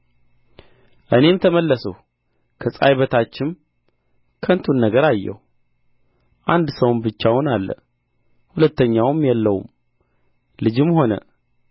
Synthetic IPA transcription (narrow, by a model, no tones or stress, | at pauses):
ʔɨne̞mt̪ʰəməlːəsə̰w | kʰəsʼa̰jβət̪ʰat͡ʃːɪm | kʰənt̪ʰunːəɡəɾajːɛ̰hu | ʔand̪səwnbɨt͡ʃːawʊnalːə̰ | hulət̪ːəɲːawmjɛlːəwṵm | lɨd͡ʒɪmho̞nə̰